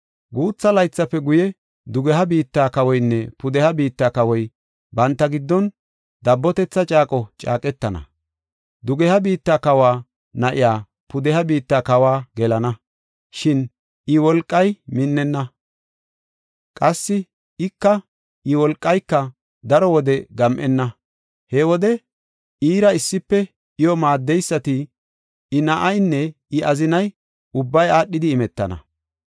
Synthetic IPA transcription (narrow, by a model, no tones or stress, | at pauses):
ɡuːt͡sːɐlɐjt͡sːɐpːɛɡʊjɛ | d̪ʊɡɛɦɐbiːt̪ːaːkɐwɔjnːɛpʊd̪ɛhɐbiːt̪ːakɐwɔj | bɐnt̪ːɐɡɪd̪ːɔn | d̪ɐbːɔt̪ɛt͡sːɐt͡ʃʼaːkʼɔt͡ʃʼa̰ːkʼɛt̪ːɐnɐ̰ | d̪ʊɡɛhɐbiːt̪ːaːkɐwaː | nɐʔɪjaː | pʊd̪ɛhɐbiːt̪ːakɐwaːɡɛlɐnɐ | ʃɪn | ɪwɔlkʼːɐjmɪnːɛnːɐ | kʼɐsːɪ | ɪkːɐ | ʔɪwɔlkʼːɐjkːɐ | d̪ɐɾɔwɔd̪ɛɡɐmʔɛnːɐ | hɛwɔd̪ɛ | iːɾɐɪsːɪpːɛ | ɪjɔmaːd̪ːɛjsːɐt̪ɪ | ɪnɐʔɐjnːɛ | ɪɐzɪnɐj | ʊbːɐjaːɗːɪd̪ɪːmɛt̪ːɐ̰nɐ̰